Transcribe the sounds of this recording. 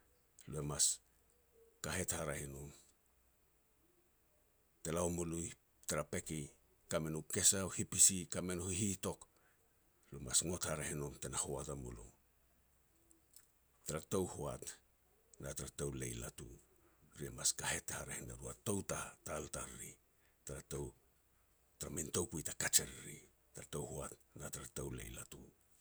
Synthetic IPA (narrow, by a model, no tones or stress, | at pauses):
lue̞mas | kaɦe̞thaɾahinom | telaomuluj | taɾape̞ki | kame̞nuke̞saohipisikame̞nohihito̞k | luemasŋo̞thaɾahinumte̞nahoatamṵlṵ | taɾato̞whoat | nataɾatowle̞̰jla̰tu | ɾiemaskahe̞tehaɾehenaɾuatowtataltaɾɾi | taɾatow | taɾamintowkujtakat͡ʃeɾɾi | taɾatowhoatnataɾatowle̞̰jlatṵ